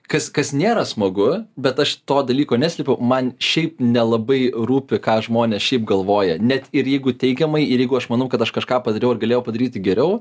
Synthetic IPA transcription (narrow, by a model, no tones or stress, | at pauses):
kɐskɐsnʲeːɾɐsmɐɡʊbʲɛt̪ɐʃt̪oːd̪ɐlʲiːkoːnʲæsʲlʲɛpʲɛʊmɐnʃʲɛɪpnʲɛlˠɐbɐɪruːpʲɪkɑːʒmoːnʲeːsʃʲɛɪpɡɐlˠʋoːjɛnʲɛt̪ɪɾjɛɪɡʊtʲɛɪɡʲɛmɐɪɪɾjɛɪɡʊɐʃmɐnɐʊkɐt̪ɐʃkɐʃkɑːpɐd̪ɐɾʲɛʊɐrɡɐlʲeːjɛʊpɐd̪ɐɾʲiːt̪ʲɪɡʲɛɾʲɛʊ